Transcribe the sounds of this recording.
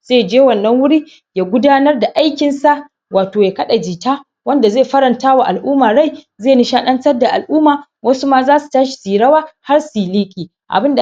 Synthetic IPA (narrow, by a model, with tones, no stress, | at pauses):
z̥eː˦˨d͡ʒeː˦wɐ˨nːɐ˦ŋwʊ˦ɽi˦ | jaː˨ɡʷʊ˦daː˦nɐ˦rda˨ʔa˦jkʲɪ˨nsa˦ʔ | waː˨toː˨ja˨kɐ˦ɗa˨d͡ʒiː˨taː˦ | wɐ˦nda˨zeː˦˨ɸɐ˦ɾɐ˨ntaː˦wa˨ʔa˨lʔʊː˦maː˨ɽa˦˨j | zeː˦˨nɪ˦ʃaː˦ɗɐ˦nsɐ˦rda˨ʔa˨lʔuː˦maː˨ | wɐ˦su˦maː˦zaː˦su̥˨taː˦ʃi̥˨siː˨ɽɐ˦waː˦ha˦rsiː˨liː˦kʲʼiː˨ | ʔa̰˨bɪ˦nda˨